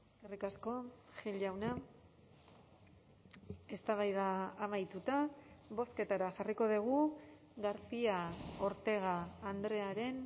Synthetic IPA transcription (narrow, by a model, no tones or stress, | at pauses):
skarikasko̞ʝiʎawna | e̞st̪aβajðaːmajt̪ut̪aβo̞ske̞t̪aɾaxariko̞ðiɣ̞u | ɣaɾt͡siao̞ɾt̪e̞ɣ̞aːnd̪ɾe̞aɾe̞n